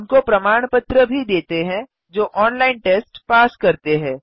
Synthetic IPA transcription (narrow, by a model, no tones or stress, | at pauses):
nkopɾɐmaːɽ̃pət̪ɾəbʱid̪eːt̪eɦɛ̃ | d͡ʒoːʔɔːnlaːɪnʈeːsʈpaːskɐɾt̪eɦɛ̃ː